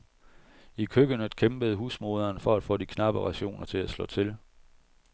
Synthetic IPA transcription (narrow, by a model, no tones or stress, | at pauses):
ikʰøɡ̥ənəkʰemb̥əð̞̩ˠɦuːsmo̝ð̞ˠɐːnfɒ̽æd̥fɔ̰̽ːdikʰnɑ̈b̥əʁɑ̈ɕo̝̰ːnɐt͡sʰe̝læslɒ̰̽ːt͡sʰe̝l